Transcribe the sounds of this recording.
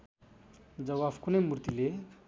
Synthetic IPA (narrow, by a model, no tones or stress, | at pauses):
d͡zʌβabkunʌjmurt̪ile